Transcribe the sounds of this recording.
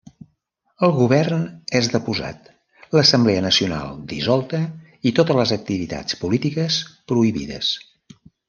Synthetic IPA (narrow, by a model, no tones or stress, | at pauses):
əlˠɣuβ̞ɛrnezðəpuza̰t̪ | ləsəmblɛənəsiuna̰lˠd̪izɔlˠt̪ə | it̪ot̪ələzək̚t̪iβit̪a̰t͡spulit̪ikəspɾuiβḭðə̰s